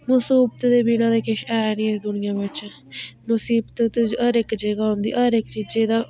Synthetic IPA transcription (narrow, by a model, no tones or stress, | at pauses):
mʊsiːbət̪d̪eːbiːnãːd̪eːkɪʃɛːnĩːɪsd̪ʊnɪjãːʋɪt͡ʃ | mʊsiːbt̪t̪ːd͡ʒəɾɪkd͡ʒəɡaːɦʊ̃nd̪ḭːʔəɾɪkt͡ʃiːd͡ʒeːd̪ãː